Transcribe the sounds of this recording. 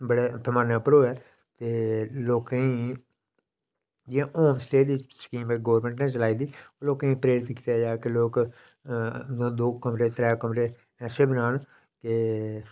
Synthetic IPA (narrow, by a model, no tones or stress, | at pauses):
bəɽeːpʰəmaːnaːpəɾoːɛː | t̪eːloːkːĩː | d͡ʒãʔoːnsʈeːd̪iskiːmeɡoːʋəɾmɛ̃ɳʈneːt͡ʃəlaːiːd̪iːoːloːkːĩːpəɾeːɾɪt̪ki̥t̪aːd͡ʒaːkeloːk | d̪õːd̪oːkəmɾeːt̪ɾɛːkəmɾeː | ɛːseːbənaːn | keː